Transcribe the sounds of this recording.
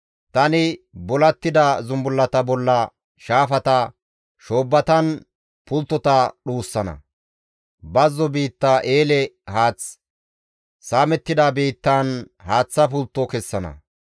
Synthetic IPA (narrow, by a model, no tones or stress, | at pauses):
t̪ɐnɪbɔlɐt̪ːɪd̪ɐzʊmbʊlːɐt̪ɐbɔlːɐ | ʃaːfɐt̪ɐ | ʃoːbːɐt̪ɐn | pʊlt̪ːɔt̪ɐɗuːsːɐnɐ̰ | bɐzːɔbiːt̪ːaʔeːlɛhaːt͡s | saːmɛt̪ːɪd̪ɐbiːt̪ːan | haːt͡sːɐpʊlt̪ːɔkɛsːɐnɐ̰